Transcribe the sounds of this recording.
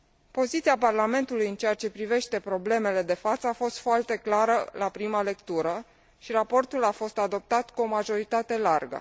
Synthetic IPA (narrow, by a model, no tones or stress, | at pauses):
po̞zit̪siaparlame̞nt̪ulujɨnt͡ʃe̞jat͡ʃe̞pɾive̞ʃt̪e̞pɾo̞ble̞me̞le̞d̪e̞fat̪səafo̞st̪foart̪e̞klaɾəlapɾimale̞kt̪uɾə | ʃiɾapo̞rt̪ulafo̞st̪ad̪o̞p̚t̪at̪kuo̞maʒo̞ɾit̪at̪e̞larɡə̰